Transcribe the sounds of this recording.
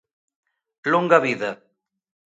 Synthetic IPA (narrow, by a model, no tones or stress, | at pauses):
luŋɡɐβiðɐ